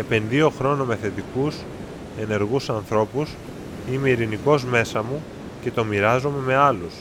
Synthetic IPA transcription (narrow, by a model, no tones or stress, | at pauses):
e̞pe̞nðio̞xɾo̞nome̞θe̞t̪ikus | e̞ne̞ɾɣusɐnθɾo̞pus | ime̞iɾiniko̞zme̞sɐmu | ce̞t̪o̞miɾɐzome̞me̞ɐlus